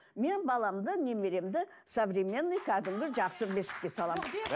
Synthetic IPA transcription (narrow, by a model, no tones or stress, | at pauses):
me̞nbɑlˠɑmd̪əne̞me̞ɾe̞md̪ɪ | sovrʲemʲe̞nːɨjkʰæd̪ɪmɡʲɪʒɑqsəbesɪ̥k̚kʲe̞sɑlˠɑm